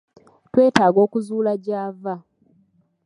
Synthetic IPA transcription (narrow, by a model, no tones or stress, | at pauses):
twe̞ːtaːɡo̞ːkuzuːlaɟaːva